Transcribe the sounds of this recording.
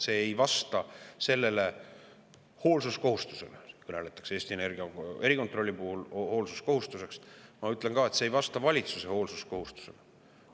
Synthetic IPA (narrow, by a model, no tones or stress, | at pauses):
se̞ːejvɑst̪ɑse̞lːe̞le̞ | ho̞ːlsusko̞ɦust̪u̥se̞lekɤnelet̪ːˑɑ̥kse̞ːst̪iene̞rɡ̥iɑe̞ɾiko̞nt̪ˑro̞lʲːipuhulho̞ːlsu̥sko̞hust̪use̞ksmɑyt̪ˑleŋkɑːe̞t̪seːjvɑst̪ɑvɑlʲit̪suse̞ho̞ːlsusko̞hust̪u̥se̞̰le